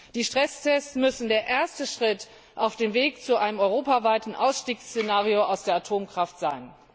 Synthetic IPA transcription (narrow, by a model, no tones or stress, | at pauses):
d̥iːʃtʁ̥ɛstʰɛst͡smʏsn̩deːɐʔeːɐstəʃʁ̥ɪt | ʔaʊfd̥eːmveːkt͡suʔaɪnəmɔʏʁ̞oːpavaɪtn̩ʔa̰ʊsʃtiːkst͡senaːʁijoaʊsd̥eːɐatʰoːmkʁ̥aftz̥aɪn